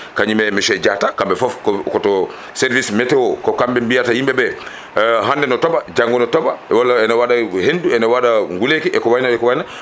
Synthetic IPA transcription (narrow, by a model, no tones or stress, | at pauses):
kaɲimɛmɛʃɛd͡ʒatakambɛfɔfkɔkɔtɔ | sɛɾvismɛtɛwɔkɔkambɛmbijatahimbɛbɛ | ɦandɛnɔtɔbad͡ʒaŋɡɔnɔtɔbaɛwalːaɛnawaɗahenduɛnawaɗaŋɡulekiʔɛkɔwajnaɛkɔwajna